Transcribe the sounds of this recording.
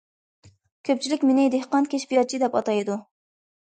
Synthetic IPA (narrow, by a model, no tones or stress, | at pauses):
kʲʰøp̚t͡ʃʰilɪkʲmenɪd̪ehqɑnkʲʰeʃbijɑɾ̚t͡ʃʰid̪ɛpɑt̪ɑjd̪u